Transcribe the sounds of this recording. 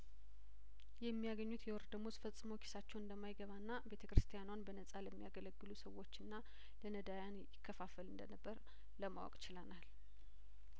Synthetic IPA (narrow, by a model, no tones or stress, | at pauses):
jɛmːijaɡəɲːut̪jɛwɔɾd̪əmosfəsʼmokʰi̥sat͡ʃːɛwɨnd̪əmːajɡəβanːabe̞t̪ʰəkɾɨst̪ʰijanwanbənəsʼaləmːijaɡələɡːɨlusəwo̞t͡ʃːɨnːa | lənəd̪ajanjɪkʰːəfafəlɨnd̪ənəbːəɾ | ləmawɔ̰kʼt͡ʃɪlənal